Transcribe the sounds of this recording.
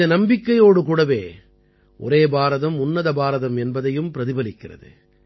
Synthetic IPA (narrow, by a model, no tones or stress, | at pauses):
ɐnɐmbɪkːɐjoːɽɯkuːɽɐʋeː | ʔɔ̰ɾeːbaːɾɐðɐmʊnːɐðɐbaːɾɐðɐmɛnbɐðɐjɯmpɪɾɐðɪbɐlɪkːɪrɐ̰ðɯ̰